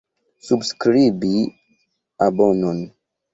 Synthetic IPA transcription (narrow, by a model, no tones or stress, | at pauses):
subskɾibi | abɔnɔn